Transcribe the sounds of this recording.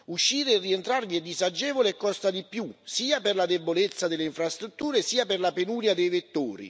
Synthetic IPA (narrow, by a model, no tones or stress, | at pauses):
uʃːiːɾeːrːient̪ɾarviɛd̪ːizad͡ʒɛːvoleːkːɔst̪ad̪ipjusiːaperlad̪ebolet̪sːad̪elːeiɱfɾast̪ɾut̪ːuːɾesiːaperlapenuːɾjad̪ejvet̪ːoːɾḭ